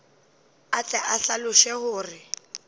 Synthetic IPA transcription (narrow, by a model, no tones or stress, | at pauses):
at͡sʼɛʔaɬalʊʃɛhʊːrɪ